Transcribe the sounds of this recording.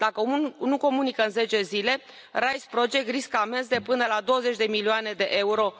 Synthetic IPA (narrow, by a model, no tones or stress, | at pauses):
d̪̥akənuko̞munikəɨnze̞t͡ʃe̞zile̞ | rajspɾod͡ʒe̞k̪̚riskame̞ns̬d̪e̞pɨnəlad̪o̞wəze̞t͡ʃʲd̪e̞milioane̞d̪e̞ʔe̞uɾo̞